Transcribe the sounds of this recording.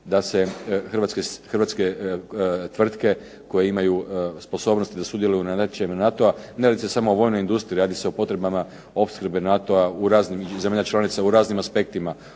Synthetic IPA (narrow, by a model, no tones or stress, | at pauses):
d̪ase̞xrʋat̪skexrʋat̪ske | t̪ʋr̩t̪ke̞ | ko̞jeimajuspo̞so̞ːbnost̪id̪asud̪je̞lujunaat͡ʃimnat̪o̞ane̞ɾaːd̪ise̞samo̞ːʋo̞ːjnojind̪ust̪ɾiɾaːd̪iseo̞po̞t̪ɾe̞bama | o̞pskr̩benat̪o̞auɾaːznimzemaʎat͡ʃlˠanit̪sauɾaːznimaspe̞k̚t̪ima